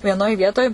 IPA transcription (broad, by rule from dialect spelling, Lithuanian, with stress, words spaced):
ʋʲiɛˈnoːj ˈʋʲiɛtoːj